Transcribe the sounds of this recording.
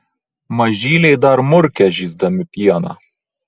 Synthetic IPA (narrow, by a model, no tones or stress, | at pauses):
mɐʒiːlʲeːd̪ɐɾmʊɾkʲɛʒizd̪ɐmʲɪpijɑnɐ̰